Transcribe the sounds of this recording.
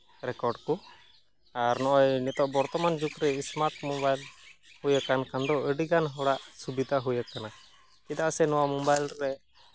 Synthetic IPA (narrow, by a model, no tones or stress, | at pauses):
ɾɛkɔɾɖkɔ | aɾnɔʔɔjnɛt̪ɔʔbɔɾt̪ɔmand͡ʒukɾɛismaɾʈmɔbajlhujakankand̪ɔəɖiɡanɦɔɽaʔsubid̪ʱaɦujakana | kid̪aʔsɛnɔwamɔbajlɾɛ